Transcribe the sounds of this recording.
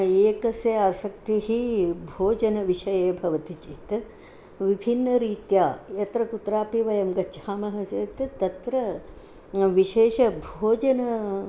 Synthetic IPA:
eːkɐsjɐaːsɐk̚t̪iɦibʱoːd͡ʒɐnɐʋiʃɐjeːbʱɐʋɐt̪it͡ʃit̪ | ʋibʱinːɐɾiːt̪jaːjɐt̪ɾɐkut̪ɾaːpiʋɐjɐmɡɐːʃʰaːmɐɦɐseːt̪t̪ɐt̪ɾɐ | ʋiʃeːʃɐbʱoːd͡ʒɐnɐ

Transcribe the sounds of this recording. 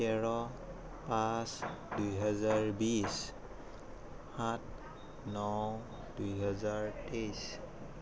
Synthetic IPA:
ɛɹɔ | pasdujɦɔzaɹbis | hat̚ | nɔw | dujɦɔzaɹtejs

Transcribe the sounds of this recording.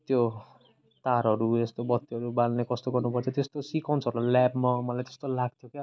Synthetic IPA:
t̪jo | t̪aɾʌɾud͡zest̪obʌt̪ːiɦʌɾubalnekʌst̪oɡʌrnupʌt̪ʰot̪est̪osikaw̃nt͡sʰʌɾulalabmamʌlajt̪e̥st̪olaɡ̚t̪ʰjokja

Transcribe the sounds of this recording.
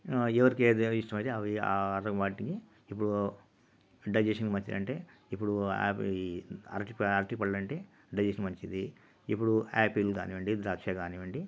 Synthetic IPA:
ɛʋɐɾikeːd̪iʂʈɐmɐjt̪eɐʋia̰ɾɐʋaːʈiki | ipːuɽu | ɖɐjd͡ʒeʂɐnkmɐɲt͡ʃid̪ɐ̰ɳʈe̞ː | ipːuɽua̰ːp | ɐ̰ɾʈipɐɾʈikpɐɽɐlɐɳʈe̞ː | ɖɐjd͡ʒeʃɐnmɐɲt͡ʃid̪i | ipːuɽuaːpiluɡa̰ːniʋɐɳɖid̪ɾaːkʂaːɡaːniʋɐɳɖi

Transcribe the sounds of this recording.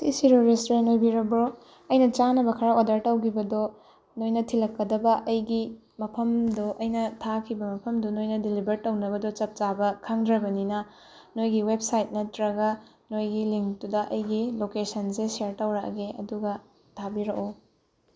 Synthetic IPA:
sisiɾoɾestɾenojbiɾɐbo | ɐjnɐt͡ʃanɐbɐkʰɐɾaodɐɾtɐwɡʰibɐdo | nojnɐtʰilɐkːɐdɐbɐʔɐjɡi | mɐpʰɐmdoʔɐjnɐtʰakʰibɐmɐpʰɐmdunojnɐdilibɐɾtɐwnɐbɐdot͡ʃɐp̚t͡ʃabɐkʰaŋdɾɐbɐninɐ | nojɡiweb̚sajt̚nɐtɾɐɡɐ | nojɡiliŋk̚tudɐʔɐjɡilokesɐnseseɾtɐwɾɐkɡeɐ̰duɡɐ | tʰabiɾɐko

